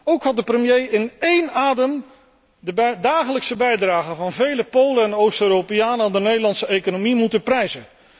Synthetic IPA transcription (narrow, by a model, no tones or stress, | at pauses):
owkɦɑt̚dəprəmjejɪnejnaːdəm | ədaːχələksəbɛjdraːχəvɑnvejləpowləɛnowstøːropɪjaːnəandənejdəlɑntsəejkonomimutənprɛjzə